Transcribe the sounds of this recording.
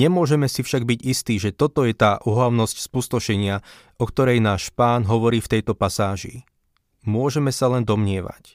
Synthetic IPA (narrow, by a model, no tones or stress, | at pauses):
ɲɛmʊɔʒɛmɛsifʃaɡ̚biɟist̪iːʒɛt̪ɔt̪ɔjɛt̪aːʔuɦlaʊnɔscspust̪ɔʃɛɲɪa | ɔkt̪ɔɾɛjnaːʃpaːnɦɔʋɔɾiːft̪ɛjt̪ɔpasaːʒḭ | mʊɔʒɛmɛsalɛnd̪ɔmɲɪɛʋa̰c